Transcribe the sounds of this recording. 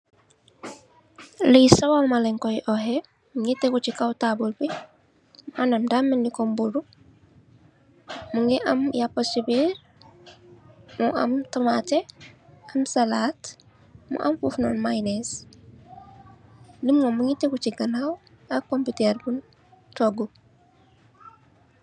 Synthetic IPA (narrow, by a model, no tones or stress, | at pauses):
lijsawawmalɛŋkɔjʔɔɦe | muɲitekucikawtabulpi | muʔanamdamenlikombuɾu | muŋɡeʔamjaposibiɾ | muʔa̰mtamateamsalat | mṵʔa̰mfufnoːnmajnes | limŋomuɲitekut͡ʃiɡanaw | akompiteɾbun | toɡu